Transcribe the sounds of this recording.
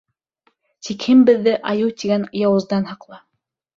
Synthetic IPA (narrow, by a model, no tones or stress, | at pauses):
t̪ikhɘmbɘ̆ðːɘʔɑjɤwt̪iɡænjɑwɤ̆zd̪ɑnhɑqlˠɑ